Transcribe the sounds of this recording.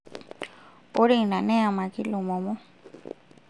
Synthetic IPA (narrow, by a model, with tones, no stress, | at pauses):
o˦ɾe˦˧nã˨nẽ˦a˧mã˨ki˦lu˨mõ˨mo˦